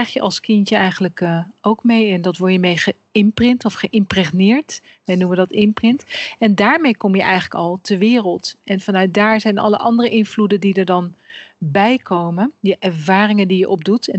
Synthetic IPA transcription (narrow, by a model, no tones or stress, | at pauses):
ɛjχjəʔɑ̰lˠskɪntəɛjχələkowkmejɛndɑtʋɔɹjəmejχə | ɪmprɪntɔfχəʔɪmprɛχnɪːɹt | ʋɛjnumədɑtɪmprɪntɛndaːɹmejkɔmjəʔɛjχələkɑlˠtəɹʋɪːrəlˠtɛnvɑnœɥt̚daːɹzɛjnɑ̰lə̰ʔɑ̰ndərəʔɪnvludəndidəɹdɑnbɛjkowməndəʔɛɹvaːrɪŋəndijəʔɔb̚dutɛ